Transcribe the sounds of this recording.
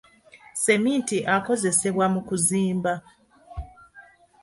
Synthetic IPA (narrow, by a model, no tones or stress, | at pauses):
se̞miːntiʔako̞ze̞se̞βwamukuziːmba